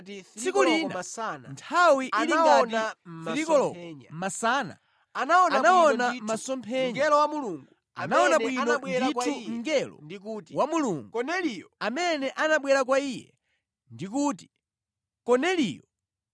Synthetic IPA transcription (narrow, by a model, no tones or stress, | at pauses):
sikuliːnanntʰawiʔiliŋɡanɾikɔlɔmasaːna̰ | anaɔnanaɔnammmasɔmpʰɛɲɛlɔwamuluŋɡɡu | a̰naɔnaɓwinɔɛitʰuŋ̩ɡɛlɔ̰ndkutiwamuluːŋɡunɛljɔamɛnɛʔanaɓwɛɾak̬waijɛ̰ | ndik̬uːti̥ | kɔnɛliːjɔ